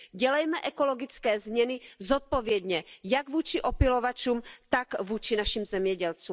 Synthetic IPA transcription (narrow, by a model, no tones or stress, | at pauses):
ɟɛlɛjmɛʔɛko̞lo̞ɡɪt͡skɛːzmɲɛnɪzot̪̚povjɛd̪ɲɛjaɡvuːt͡ʃɪʔo̞pɪlovat͡ʃuːmt̪akvuːt͡ʃɪnaʃimzɛmɲɛɟɛlt͡suː